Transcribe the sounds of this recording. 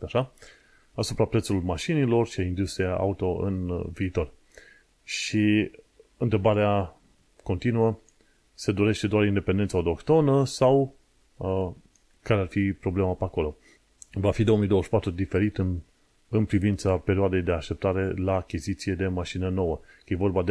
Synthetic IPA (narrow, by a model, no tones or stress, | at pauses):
aʃa | asupɾapɾet̪sulmaʃinilo̞rʃiaind̪ust̪ɾijaʔa̰ut̪o̞ɨ̰nviːt̪o̞r | ʃi | ɨnt̪ɾe̞baɾea | ko̞nt̪inuə | se̞d̪o̞ɾe̞ʃt̪e̞d̪oaɾind̪e̞pend̪ent̪saot̪o̞kt̪o̞nəsaw | kaɾearfipɾo̞ble̞mapeako̞lo̞ | vafid̪o̞omijd̪owəʃi̥pat̪ɾud̪ife̞ɾit̪ | ɨnpɾivint̪sape̞ɾioad̪e̞jd̪e̞aʃt̪e̞p̚t̪aɾe̞laːkʲizit̪sije̞d̪e̞maʃinəno̞wəjevo̞rbad̪